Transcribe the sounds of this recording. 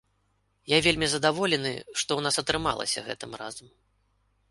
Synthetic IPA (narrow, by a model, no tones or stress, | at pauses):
javʲelʲmʲizɐd̪avɔlʲɛnɨ̰ʂt̪ɔwn̪asɐt̪ɾɨmalˠɐ̰sʲɐ̰ɣɛ̰t̪ɨmra̰zɐm